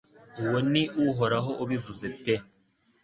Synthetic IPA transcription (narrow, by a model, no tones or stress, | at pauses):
uwoniʔuɦoɾaɦoʔuβivuzepe